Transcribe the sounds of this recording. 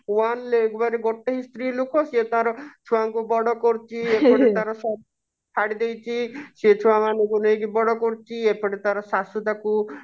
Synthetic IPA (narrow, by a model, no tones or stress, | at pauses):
wanleɡbaɾeɡɔʈːeɦist̪ɾilukʰɔsiet̪aɾɔt͡ʃʰuwaŋkubɔɽɔkɔɾt͡ʃʰiepɔɾet̪aɾɔsɔ | pʰaɽid̪ejt͡ʃʰisiet͡ʃʰuwamanekunejɡibɔɽɔkɔɾt͡ʃʰiepʰɔɽet̪aɾɔsasud̪aku